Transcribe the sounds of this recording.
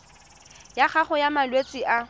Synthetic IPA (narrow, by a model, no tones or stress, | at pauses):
jaχaχʊjamalwet͡sʼiʔa